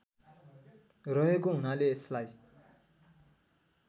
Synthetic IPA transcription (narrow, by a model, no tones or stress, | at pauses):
rʌɦekoɦunaleːslaj